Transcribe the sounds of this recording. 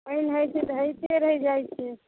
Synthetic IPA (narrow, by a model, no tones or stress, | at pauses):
əinɦəjsẽt̪ɦət̪eɾəɦɛd͡ʒajt͡ʃʰi